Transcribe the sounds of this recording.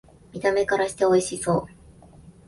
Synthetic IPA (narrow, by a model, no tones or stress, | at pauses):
mʲit̪ame̞kaɾaɕi̥t̪e̞o̞iɕiso̞ː